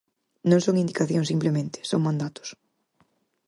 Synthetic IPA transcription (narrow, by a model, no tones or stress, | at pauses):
nõŋsoŋind̪ikaθjoŋsimplemẽnt̪ɪ̥soŋmãnd̪at̪ʊ̥s